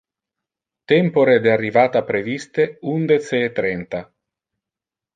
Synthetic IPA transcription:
t̪ɛmpoɾed̪earːivaːt̪apɾevist̪eund̪et͡seːt̪ːɾɛnt̪a

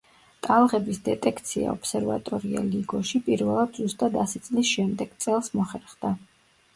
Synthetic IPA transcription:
t̪ʼalˠʁɛbisd̪ɛt̪ʼɛkʰt̪sʰia̰ɔpsɛɾva̰t̪ʼɔɾia̰liɡɔʃipʼiɾvɛlˠad̪zust̪ʼad̪asit̪sʼlisʃɛmd̪ɛɡ̥t̪sʼɛlˠsmɔχɛɾχd̪a

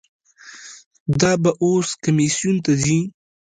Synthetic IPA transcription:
d̪ɑbaʔoskamisjunt̪azi

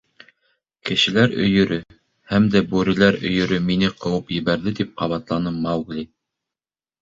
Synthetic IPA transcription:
kɘ̆ʃɘ̆læɾɵ̰̆jɵ̆ɾɘ | hæmd̪æbʉɾɘ̆læɾɵ̰̆jɵ̆ɾɵminɘqɤ̆wɤpjɘ̆βæɾðɘt̪ip̚qɑβɑt̪lˠɑnɤmɑwɡlʲi

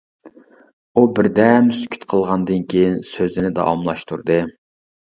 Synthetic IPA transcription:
ubɪɾd̪ɛmsy̥kʲʰy̥t̪qʰəlˠʁɑnd̪ɨnkʲʰejinsøzɪnɪd̪ɑ̰ɑ̰mlˠɑʃt̪ʰuɾd̪ɨ

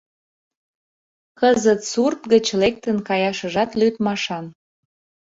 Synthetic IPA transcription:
kəzət̪surt̪ɡət͡ɕlek̚t̪ənkɑjɑʃəʒɑt̪lyt̪mɑʃɑn

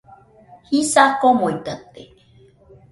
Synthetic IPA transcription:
hisakomoit̪ət̪e

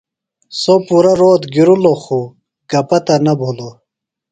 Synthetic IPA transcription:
sopuɾɐɾoːt̪ɡiɾuloxu | ɡ̥ɐpɐt̪ɐnɐbʱolo

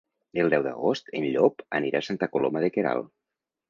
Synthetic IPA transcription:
elˠd̪ɛwd̪ə̰ɣost̪enʎɔpəniɾasant̪akolomaðekeɾa̰lˠ

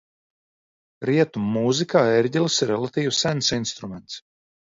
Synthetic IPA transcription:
ɾiɛt̪umuzikaːeɾɟʲɛlˠɨsiɾɛlˠat̪iːwsænsinst̪ɾumɛnt̪s

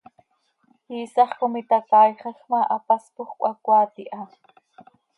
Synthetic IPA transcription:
hiːsɑχkʊmit̪akɑːjχɑxmaʔapaspʊχkʷʔakʷaːt̪iʔa

